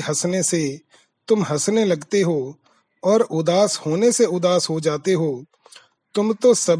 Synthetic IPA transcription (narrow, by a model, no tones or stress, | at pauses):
ɦɐsnese | t̪ʊmɦɐsnelɐɡt̪eɦo | ɔːɾʊd̪aːshoːneseʊd̪aːsɦod͡ʒaːt̪eɦoː | t̪ʊmt̪osɐb